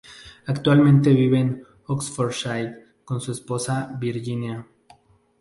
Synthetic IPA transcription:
akt̪walmẽnt̪e̞βiβen | oksfoɾʃajt | ko̞nsuesposaβiɾʝinja

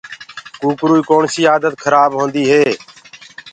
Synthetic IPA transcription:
kuːkɾuːiːkoːɳsiːaːd̪ət̪kʰəɾaːbɦõːnd̪iːɦeː

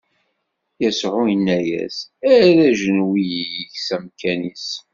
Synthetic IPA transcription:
jæsʕujənːæjæ̰sæðæʒənwijijiçsæmkʰænis

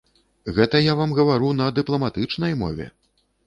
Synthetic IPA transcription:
ɣɛt̪ɐjavamɣɐvaɾunɐd̪ɨplˠɐmat̪ɨt͡ʂnɐjmɔ̰vʲɛ̰

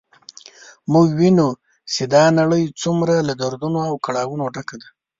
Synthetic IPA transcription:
muɡwinu | sed̪ɑnaɽəjt͡sumɾalad̪aɾd̪unoawkaɽɑwunoɖakad̪a

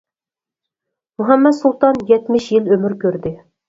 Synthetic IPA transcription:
muɦɑmːɛd̪sulˠt̪ɑnjɛt̪mɪʃjilømɪɾkʲʰøɾd̪ɪ

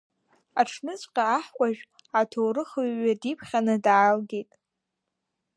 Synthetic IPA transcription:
aʈ͡ʂʰnɨt͡ɕʷʼqʲʼaːħkʷʼaʒᶣ | atʰowɾɨχɨɥːadipʰχʲanɨdaːlɡejtʼ

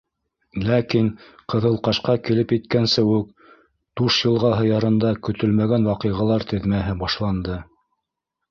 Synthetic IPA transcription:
lækiŋqɤ̆ðɤ̆lˠqɑʃqɑkilɘpjɘt̪kænsɘʉk | d̪̥uʃjɤ̆lˠʁɑɦɤ̆jɑɾɤ̆nd̪ɑkɵ̆t̪ɵlmæɡænwɑqɤ̆jʁɑlˠɑɾt̪ɘ̆ðmæɦɘbɑʃlˠɑnd̪ɤ

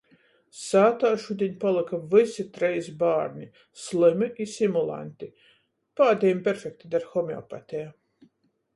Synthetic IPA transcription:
saːt̪aːʃud̪ʲeɲʲpalˠɨkavɨsit̪ɾɛjsbaːɾnʲi | slˠɨmɨʔisimulˠa̰nʲt̪i | paːd̪ʲɛjmpʲɛɾfʲek̚t̪id̪aɾxɔmeɔ̰pat̪ʲɛja

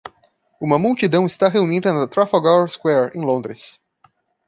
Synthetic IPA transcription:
ũmɐmuwt͡ʃid̪ɐ̃w̃ɪst̪aɦeunid̪ɐnɐt̪ɾafaɡaɾskwɛɾḛ̃lõnd̪ɾɪs

